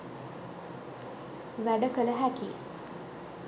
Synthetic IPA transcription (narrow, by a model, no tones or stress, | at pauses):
ʋæɖəkələɦæki